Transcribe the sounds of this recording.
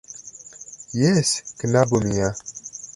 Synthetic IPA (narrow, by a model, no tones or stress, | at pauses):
jeskənabomija